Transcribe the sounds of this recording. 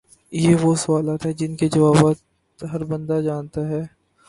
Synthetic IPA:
jeʋosɐʋaːlaːt̪ɦɛd͡ʒɪnked͡ʒɐʋaːbat̪ | ɦɐɾbɐ̃nd̪ad͡ʒaːnt̪aɦɛː

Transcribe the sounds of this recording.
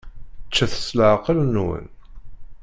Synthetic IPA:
t͡ʃːæθə̥sləʕqːəlnːwə̰n

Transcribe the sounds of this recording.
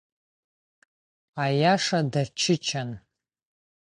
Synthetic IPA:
ajaʂadat͡ʃʰɪt͡ʃʰan

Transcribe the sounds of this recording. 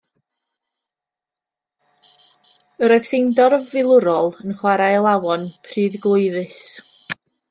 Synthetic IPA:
əɾɔjðsɪndɔrvɪlˠʊɾɔlˠənχwaɾajəlˠawɔnpʰriːðɡlˠʊɨðɨs

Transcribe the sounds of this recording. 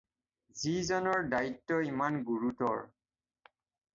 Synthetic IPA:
zizɔnɔɹdaitːɔimanɡuɹutɔɹ

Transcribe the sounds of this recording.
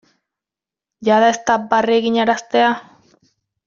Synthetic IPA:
ʝaðaest̪abarieɣiɲaɾast̪ea

